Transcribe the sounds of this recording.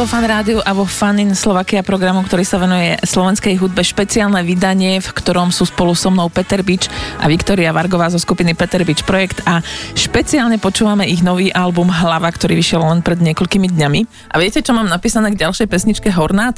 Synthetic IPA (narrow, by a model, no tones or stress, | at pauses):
ɔfanɾaːd̪iuʔaʋɔfaninslɔʋaːkiapɾɔɡɾamukt̪ɔɾiːsaʋɛnujɛslɔʋɛnskɛjɦud̪̚bɛʃpɛt͡siaːlnɛːʋid̪aɲɪɛfkt̪ɔɾɔmsuːspɔlusɔmnɔʊpɛt̪ɛɾbit͡ʃʔa̰ʋikt̪ɔɾiaʋaɾɡɔʋaːzɔskupinipɛt̪ɛɾbit͡ʃpɾɔjɛkt̪aʃpɛt͡siaːlɲɛpɔt͡ʃuːʋamɛʔiɣnɔʋiːʔalbumɦlaʋakt̪ɔɾiːʋiʃɪɛllɛnpɾɛd̪ɲɪɛkɔʎkimid̪ɲami | ʔaʋiɛcɛt͡ʃɔmaːmnapiːsanɛːɡɟalʃɛjpɛsɲit͡ʃkɛɦɔɾnaːt̪